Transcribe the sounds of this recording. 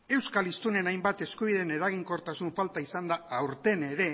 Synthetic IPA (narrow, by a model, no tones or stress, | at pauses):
e̞wskalist̪une̞najmbat̪e̞skuβ̞ið̞ene̞ɾaɣ̞iŋkoɾt̪asuɱfalt̪aisand̪aːwɾt̪e̞ne̞ɾe̞